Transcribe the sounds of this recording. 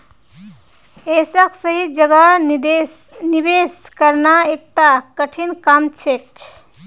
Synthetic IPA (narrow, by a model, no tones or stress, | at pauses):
esəksəɦid͡ʒəɡa | nibeskəɾnaek̚t̪akəʈʰinkamt͡ʃʰek̚